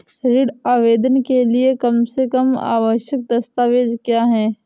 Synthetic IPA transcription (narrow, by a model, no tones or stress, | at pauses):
ɾɪɽaːʋeːd̪ənkeliekɐmsekɐma̰ːʋəʃjək̚d̪ɐst̪aːʋeːd͡ʒkjaːɦɛː